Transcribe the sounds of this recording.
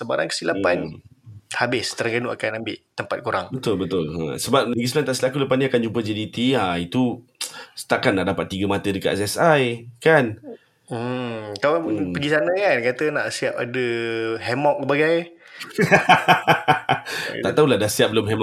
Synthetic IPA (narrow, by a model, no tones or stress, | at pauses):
səba̰ɾa̰nkə̥silapan | habɪst̪əɾəŋɡanuʔakanambɪʔt̪əmpat̪̚kuɾaŋbət̪ʊlbət̪ʊla̰səbap̚nəɡis̬lant̪aʔsəlakuləpanĩakand͡ʒump̬əd͡ʒadit̪iait̪u | sə̥t̪aʔkanːaʔdapat̪ːiɡəmat̪ədəka̰ʔɛsɛsajkan̩ | k̪awanpəɡisanə̃kankat̪ənaʔsiap̚a̰dəɦɛmɔk̚ːbaɡaj | t̪aʔt̪aulahdahsiap̚bəlʊmɦɛmɔ